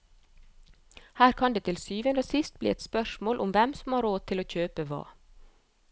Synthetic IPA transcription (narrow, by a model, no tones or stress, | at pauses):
hæːɾkʰɑnd̪eːt̪ʰɪlsyːʋənd̪əsɪst̪̚blḭːɛt̪spœʃmoːlʔʊmʋɛmsɔmhɑːɾoːt̪ʰɪloːc͡çøːpəʋɑ̰ː